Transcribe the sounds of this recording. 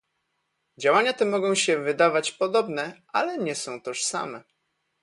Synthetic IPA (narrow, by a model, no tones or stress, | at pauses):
d͡ʑawaɲat̪ɛmɔɡɔ̃w̃ɕɛvɘd̪avat͡ɕpɔd̪ɔbnɛʔalɛɲɛsɔ̃w̃t̪ɛʂsa̰mɛ